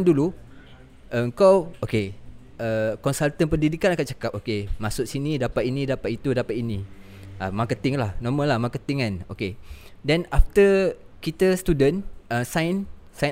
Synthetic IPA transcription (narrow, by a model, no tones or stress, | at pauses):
ndulu | ʔəəŋkawoke | ʔəkɔnsalt̪ənpəndidikanakat̪̚t͡ʃḁkap̚okemãsʊʔsinĩdapat̪̚inĩdapat̪it̪udapat̪inĩ | amakət̪ɪŋlahnɔmə̃lahmakət̪iŋano̰kedɛnaft̪ə | kit̪əst̪udənəsajnsa